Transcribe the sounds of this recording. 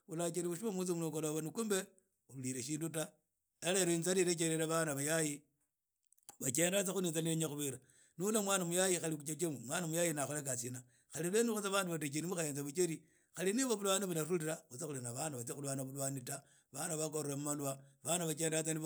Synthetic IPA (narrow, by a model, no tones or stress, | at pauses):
ulat͡ʃeɾiβuʃimamut͡s̬imulokoloβanikumbe | uβliɾeʃiːnduta | eleɾent͡saɾiɾet͡ʃeɾeɾaβanaβajaji | βat͡ʃeːndat͡saxuniːnt͡saneɲaxuβiɾa | nilamwaːnamujajixalikut͡ʃet͡ʃemumwaːnamujajinaxolakasina | xalilenuxut͡saβaːnduβatet͡ʃenimuxajeːnt͡saβut͡ʃeɾi | xaliniβoβulwaniβulaɾuliɾaut͡sexulinaβanaβat͡sxulanaβulwanita | βanaβakoɾɾemumalwaβanaβat͡ʃeːndat͡sani